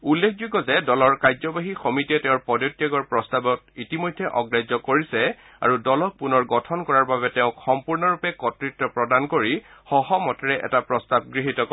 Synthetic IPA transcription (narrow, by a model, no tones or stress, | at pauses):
ulːekʰzuɡɔzɛdɔlɔɹkajzɔbaɦixɔmitiɛtɛ̃ʊ̃ɹpɔdjotːiaɡɔɹpɹɔstabɔtitimɔjdʱːɛʔɔɡɹajzɔkoɹisɛ | a̰ɹudɔlɔk̚punɔɹɡɔtʰɔnkɔɹaɹbaβɛtɛʊ̃kxɔmpuɹnɔɹupɛkɔtɹitːɔpɹɔdankoɹixɔɦɔmɔtɛɹɛʔɛ̰tapɹɔstab̚ɡɹiɦitɔk